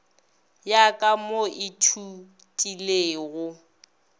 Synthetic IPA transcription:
jakʼamoʔɪtʰu | tʼileːɣʊ

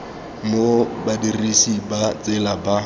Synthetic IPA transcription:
mobadirisibat͡sʼɪlaba

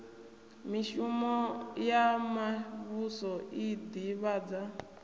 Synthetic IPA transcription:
miʃumɔjamaβusɔid̪iβaːd͡za

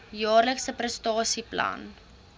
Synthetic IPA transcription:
jɑːrləksəprəstɑːsiplɐ̰n

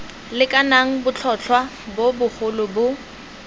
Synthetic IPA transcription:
lɪkʼanaŋ̩bʊt͡ɬʰɔt͡ɬʰwa | bobʊχʊlʊbʊ

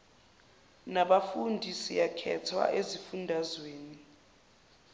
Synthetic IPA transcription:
naɓafundʱisijakʰɛ̰tʰwa̰ʔezifundʱazweːni

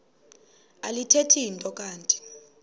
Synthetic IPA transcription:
alitʰetʰijintʼɔk̬ʼaːntʼi̥

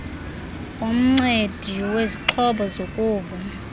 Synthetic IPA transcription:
um̩ŋ͡ǀed̥ʱiweziǁʰɔɓɔzokʼuːva

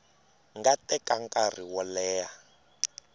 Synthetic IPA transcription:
ŋɡatɛkaŋkʼar̤iwɔlɛːja

